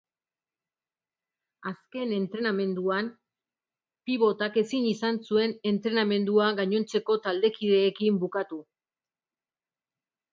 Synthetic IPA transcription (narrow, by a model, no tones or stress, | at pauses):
aske̞ne̞nt̪ɾe̞name̞nd̪uan | piβ̞o̞t̪ake̞sinisansue̞ne̞nt̪ɾe̞name̞nd̪uaɡaɲo̞nt͡se̞ko̞t̪ald̪e̞kiðe̞ːkimbukat̪u